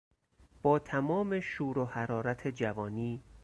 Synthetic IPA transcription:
b̥ɒːt̪ʰæmɒːme̞ʃuːɾohæɾɒːɾæt̪ʰe̞d͡ʒævɒːniː

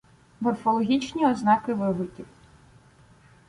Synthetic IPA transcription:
mɔrfɔlˠɔɦʲit͡ʃnʲiɔznɑkɪʋɪɦʊtʲiw

